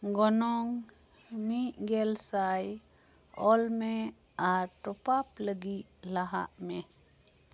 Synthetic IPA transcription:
ɡɔnɔŋ | miʔɡɛlsaj | ɔlmɛaɾʈɔpapləɡit̚laɦa̰ʔmɛ

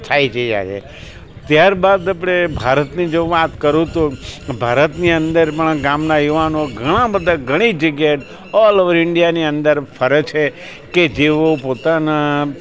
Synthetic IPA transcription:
t̪ʰaid͡ʒəia̰jḛ | t̪jaɾbad̪apɽebʱaɾət̪nid͡ʒoʋat̪kəɾũt̪ubʱaɾət̪niə̃nd̪əɾpəɳɡamnajuʋanoɡʱəɽ̃ãbəd̪ʱaɡʱəɽ̃id͡ʒəɡjaʈ | ɔlɔʋəɾɪɳɖijaniənd̪əɾfʰəɾət͡ʃʰe | ked͡ʒeʋopot̪ana

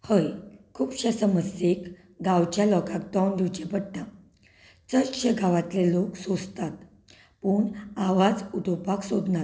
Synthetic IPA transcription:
həjkʰuːpɕasəməsek | ɡawt͡ɕjalɔkak̚t̪ɔnɖ̪ʱut͡ɕebəɽʈ̪a | t͡səɕəɡaʋat̪leloksod͡zt̪at̪ | puɳaʋad͡zud̪ʱopaksod̪na

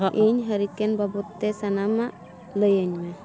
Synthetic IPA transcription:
ʔiɲɦəɾikɛnbabut̪ːɛsanamaʔ | ləjəɲmɛ

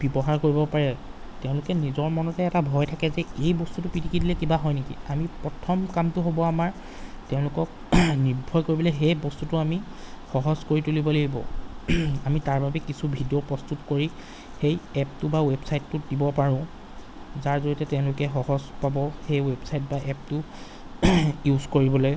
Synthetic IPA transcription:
b̥ibɔɦaɹkoɹibɔpaɹɛ | tɛʊ̃lʊkɛnizɔɹmɔnɔtɛɛtabʱɔjtʰakɛzɛejbɔstutʊpitʰikidilɛkibaɦɔjnekḭamipɹɔtʰɔmkamtʊɦobɔamaɹ | tɛʊ̃lʊkɔk̚ | niɹbʱɔjkoɹibɔlɛɦejbɔstutʊami | xɔɦɔzkoɹitulibɔleɡibɔ̰ | amitaɹbabɛkisubʱidiopɹɔstutkoɹi | xejɛp̚tʊbawebsajtːʊdibɔpaɹʊ̃ʊ̃ | zaɹzoɹitɛtɛ̃ʊ̃lʊkɛxɔɦɔzpabɔxejwebsajtbaʔɛp̚tʊ | juzkoɹibɔloj

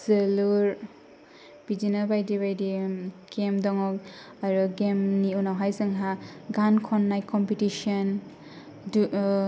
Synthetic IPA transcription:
zeluɾ | bid͡ʒinabajdibajdiɡ̥emdɔŋɔk̚ | aɾuɡemniunaɦajzɯŋɦaɡankʰɔnːajkɔmpitisɔn | d

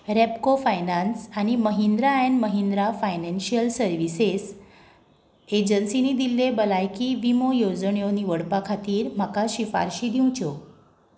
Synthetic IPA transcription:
ɾepkofajnansañiməɦind̪ɾaenməɦind̪ɾafajnenɕiəlsəɾʋises | ed͡ʑənsinid̪ilːebəlajkiʋimojod͡zɳjoniʋəɽpakʰat̪iːɾm̤akaɕifa̰ɾɕiːd̪ʱiw̃t͡ɕo

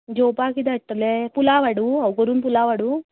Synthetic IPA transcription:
d͡ʒoːpaːkid̪ɐʈːɐlepulaːʋɐɽuɐkoɾunpulaːʋɐɽu

